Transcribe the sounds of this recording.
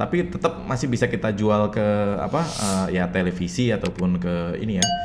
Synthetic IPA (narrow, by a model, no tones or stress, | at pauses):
t̪apit̪ət̪əp̚masɪhbisakit̪ad͡ʒualkəa̰paəːjat̪elefisiat̪awpʊnkəḭnija